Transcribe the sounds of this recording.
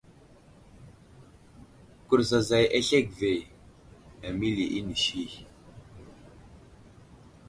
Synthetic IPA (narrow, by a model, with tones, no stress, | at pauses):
ku˨ɾza˨za˨je˦ɬe˦˨k̚ve˨ | a˨mi˦li˨ʔi˦ni˨ʃi˦˨